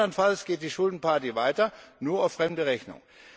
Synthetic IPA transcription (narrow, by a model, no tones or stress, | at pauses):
ɐnfalsɡ̥eːt̚d̥iːʃʊldn̩pʰaɐtivaɪtɐnuːɐaʊfʁ̥ɛmdəʁɛçnʊ̰ŋ